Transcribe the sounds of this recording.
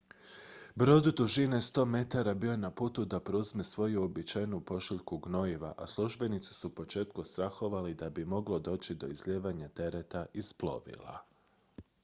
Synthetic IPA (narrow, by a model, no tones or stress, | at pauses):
bɾo̞ːd̪ud̪uʒinest̪o̞ːme̞t̪aɾabio̞jenapuːt̪ud̪apɾuzme̞sʋo̞juobit͡ʃajnupo̞ʃiʎkuɡno̞iʋa̰ʔaslˠuʒbe̞nit̪si̥suupo̞t͡ʃe̞ːt̪kust̪ɾaxo̞ʋalid̪abimo̞ɡlˠo̞d̪o̞ːt͡ɕid̪o̞izʎeːʋaɲat̪e̞ɾet̪aisplˠo̞̰ʋḭlˠa̰